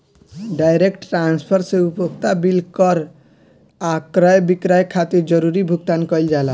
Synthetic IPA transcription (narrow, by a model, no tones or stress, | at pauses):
ɖajɾekʈːɾanspʰəɾseupəkt̪abilkəɾ | akɾajbikɾajkʰat̪iɾd͡ʒəɾuɾibʱuɡ̚t̪ankəɪld͡ʒala